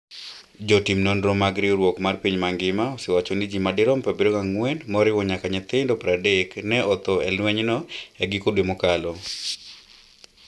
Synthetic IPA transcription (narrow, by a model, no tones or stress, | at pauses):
d͡ʒotimnonɾomaɡɾioɾwɔkmarpiɲmaŋɡɪmaosɪwat͡ʃonid͡ʒimadɪɾɔmpabiɾokaŋwɛnmɔɾɪwɔɲakaɲɛt̪ɪndopɾadeknɛɔt̪oɛlwɛɲnɔɛɡɪkodwemokalɔ